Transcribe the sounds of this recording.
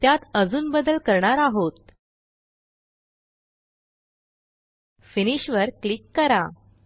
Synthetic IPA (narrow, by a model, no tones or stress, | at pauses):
t̪jat̪əd͡zuːnbəd̪əlkəɾɳaɾaɦot̪̚ | finiɕʋəɾklikːəɾa